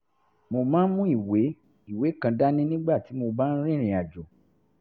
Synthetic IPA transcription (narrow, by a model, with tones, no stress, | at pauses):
mo˧mãː˦mũ˦i˦˨we˨˦ | i˦˨we˨˦kã˧da˦nĩ˦nĩ˦ɡ͡ba˦˨ti˨˦mo˧ba˦n̩˦ɾ̃ĩ˦˨ɾ̃ĩ˨a˨d͡ʒo˨